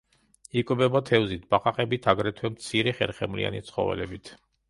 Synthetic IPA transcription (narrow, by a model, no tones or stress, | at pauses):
ikʼbɛbat̪ʰɛvzit̪̚ʰbaqʼaqʼɛbit̪ʰaɡɾɛt̪ʰwɛmt̪sʰiɾɛχɛ̰ɾχɛmlḭa̰nit̪sʰχɔ̰vɛ̰lɛbit̪ʰ